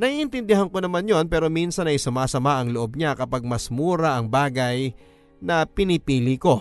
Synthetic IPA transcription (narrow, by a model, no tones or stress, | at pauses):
nɐʔiːʔɪnt̪ɪnd̪ɪɦɐnko̞nɐmanjo̞npɛːɾo̞minsɐnɐjsʊmaːsɐmaʔɐŋloʔo̞b̚ɲakɐpaɡ̚mɐsmuːɾɐʔɐŋbaːɡɐj | nɐpɪnɪpiːliko̞